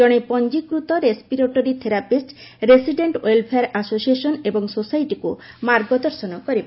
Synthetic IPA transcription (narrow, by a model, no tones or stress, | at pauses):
ɔɽ̃epɔnd͡ʑikɾut̪ɔɾespiɾoʈoɾit̪ʰeɾapisʈɾesiɖeɳʈolpʰeaɾasosieʃɔnebɔŋsosajʈikumaɾɡɔd̪ɔɾsɔnɔkɔɾe